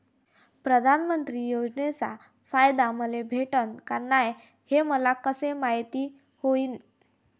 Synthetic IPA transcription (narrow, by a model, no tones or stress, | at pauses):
pɾəd̪ʱanmənt̪ɾiːjod͡znet͡sa | fajd̪aməlebʱeʈənkaɾnaj | heməlakəsemaɦjt̪iː | hoiːn